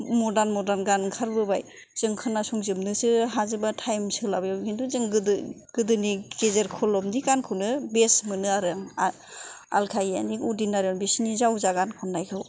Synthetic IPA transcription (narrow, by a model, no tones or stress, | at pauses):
mɔdanmɔdanɡankʰaɾbɯbaj | z̥ɯŋkʰɯnːasuŋzɯmnɯsɯɦazɯbatʰajmsɯlabjakʰintuzɯŋɡɯd | ɡ̥ɯdɯniɡezeɾkʰɔlɔmnikankʰunɯbesmɯnɯaɾɯŋa | a̰lkʰaja̰nikudinaɾɯŋbesnizawzaɡankʰɔnːajkʰɯw